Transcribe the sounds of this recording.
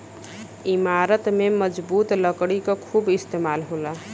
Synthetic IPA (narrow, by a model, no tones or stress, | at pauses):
imaɾət̪meməd͡ʒbut̪ləkɽikɔkʰubist̪emalɦola